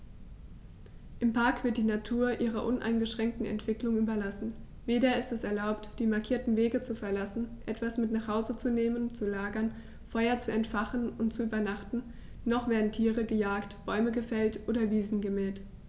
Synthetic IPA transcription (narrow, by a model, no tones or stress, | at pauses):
ʔɪmpʰaɐkv̥ɪɐt̚d̥iːnatʰuːɐʔiːʁɐʔʊnʔa̰ɪnɡəʃʁ̥ɛŋk̚tn̩ɛ̰ntv̥ɪklʊŋʔyːbɐlasn̩ | veːɾɐɪstɛsɛɐlaʊptd̥iːmaɐkʰiːɐtn̩veːɡət͡sufɛɐlasn̩ʔɛtv̥asmɪtnaːχhaʊzət͡suneːmənt͡sulaːɡɐn | fɔʏɐt͡suɛntfaχənʊntt͡suʔyːbɐnaχtn̩ | nɔχv̥eːɐdn̩tʰiːʁəɡəjaːktb̥ɔʏməɡəfɛltʔoːdɐviːzn̩ɡəmɛːlt